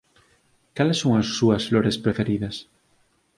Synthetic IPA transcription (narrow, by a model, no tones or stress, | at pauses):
kalesːoŋasːuasfloɾespɾefeɾiðas